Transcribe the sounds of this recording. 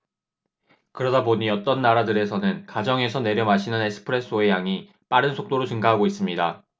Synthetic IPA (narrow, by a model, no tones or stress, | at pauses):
kɯɾʌdapoɲiʌt͈ʌnːaɾadɯɾe̞sʰʌnɯnkad͡ʑʌŋe̞sʰʌne̞ɾjʌmaɕʰinɯne̞sʰɯ̥pʰɯɾe̞s͈ʰoe̞jaŋi | p͈aɾɯnsʰok̚t͈oɾot͡ɕɯŋɡaɦaɡois͈ɯmɲida